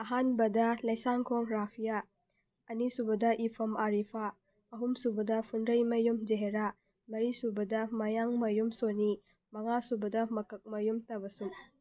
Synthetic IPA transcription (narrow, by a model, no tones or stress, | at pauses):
ɐɦanbɐdɐlɐjsaŋkʰoŋɾapʰija | ɐnisubɐdɐʔipʰɐmaɾipʰa | ɐɦumsubɐdɐpʰunɾɐjmɐjumd͡ʒeɦeɾa | mɐɾisubɐdɐmɐjaŋmɐjumsoni | mɐŋasubɐdɐmɐkɐk̚mɐjumtɐbɐsuŋ